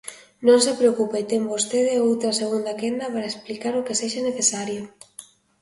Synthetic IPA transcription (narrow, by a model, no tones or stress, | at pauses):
nõŋsepɾeokupet̪embost̪eðeowt̪ɾɐseɣ̞und̪akend̪ɐpaɾaesplikaɾokeseʃaneθesaɾjo